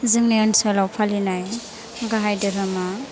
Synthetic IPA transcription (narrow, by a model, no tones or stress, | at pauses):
zɯŋniɯnsalawpʰalinaj | ɡaɦajdɯɾama